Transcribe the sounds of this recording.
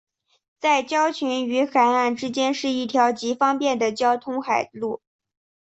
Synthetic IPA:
t͡sa˥˩ɪt͡ɕjɑ˥ʊt͡ɕʰy˧˥ny˧˥xa˨˩ɪa˥˩nʈ͡ʂɻ̩˥t͡ɕjɛ˥nʂɻ̩˥˧i˥˩t̪ʰjɑ˧˥ʊt͡ɕi˧˥fɑ˥ŋpjɛ˥˩nd̪ə˩t͡ɕjɑ˥ʊt̪ʰʊ˥ŋxa˨˩ɪlu˥˩

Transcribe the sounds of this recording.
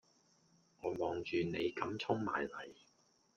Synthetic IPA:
ŋɔː˨˧mɔː˨ŋt͡ʃyː˨ne˨˧jkɐ˨˥mt͡sʰʊ˥ŋma̰ː˨jlɐ˨˩j

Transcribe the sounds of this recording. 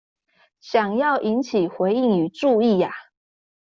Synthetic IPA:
ɕjɑ˨˩ŋjɑ˥˩ʊʔi˧˥nt͡ɕʰi˨˩xwe˧˥ɪi˥˩ŋy˨˩ʈ͡ʂu˥˧i˥˩ja˩

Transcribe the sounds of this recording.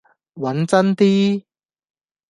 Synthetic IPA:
wɐ˨˥nt͡sɐ˥nt̪iː˥

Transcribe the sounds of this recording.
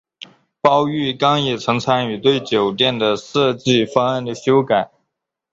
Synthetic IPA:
pɑ˥ʊy˥˩kɑ˥ŋjɛ˨˩t͡sʰɤ˧˥ŋt͡sʰa˥ny˨˩t̪we˥˩ɪt͡ɕjo˨˩ʊt̪jɛ˥˩nd̪ə˩ʂɤ˥˧t͡ɕi˥˩fɑ˥ŋa˥˩nd̪ə˩ɕjo˥ʊka˨˩˦

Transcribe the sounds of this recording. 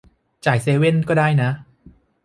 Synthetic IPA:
t͡ɕaː˨˩jseː˧we˥˩nkɔː˥˩daː˥˩jna˦˥ʔ

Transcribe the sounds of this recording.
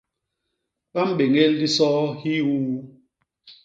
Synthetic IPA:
ɓa˦m̩˦ɓe˨ŋe˦ldi˦sɔː˦hi˦wu˦

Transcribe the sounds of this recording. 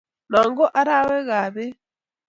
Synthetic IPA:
nɔ˨ŋɡo˦ʔa˦ɾa˦wɛ˦ɣa˨βe˦

